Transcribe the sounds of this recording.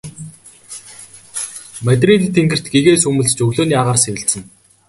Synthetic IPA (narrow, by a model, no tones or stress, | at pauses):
mæt̪̬ʲrit̪t̪ʰːeŋɡɘ̆r̥t̪ɡeɣeːsɵmɵ̆ɮt͡ɕɵɣɮoːnjaːʁaːrsewʲɪ̆ɬsə̆n